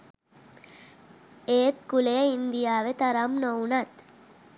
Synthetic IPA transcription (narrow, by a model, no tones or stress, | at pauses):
eːt̪̚kuleɐind̪ijaːʋet̪ɐɾamnoːnat̪